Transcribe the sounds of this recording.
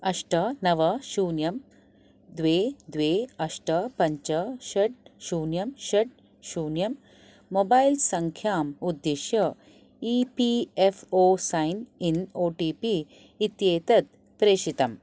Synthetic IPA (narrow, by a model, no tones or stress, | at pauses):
ɐʂʈɐnɐʋɐʃuːnjɐm | d̪ʋeːd̪ʋeːɐʂʈɐpɐɲt͡ʃɐʃɐʈ̚ʃuːnjɐmʃɐʈ̚ | ʃuːnjɐmː | obaːjlsɐŋkʰjaːmud̪ːeʃjɐ | iːpiefoːsajninoːʈiːpiː | t̪jeːt̪ɐt̪̚ | pɾeːʃit̪ɐm